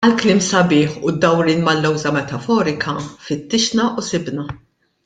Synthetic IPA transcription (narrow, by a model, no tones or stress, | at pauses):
ɐlklɪːmsɐbɪːħʊd̪ːɐwɾiːnmɐlːɔwzɐmɛt̪ɐfɔːɾɪkʰɐfɪt̪ːɪʃnɐʔʊsɪbnɐ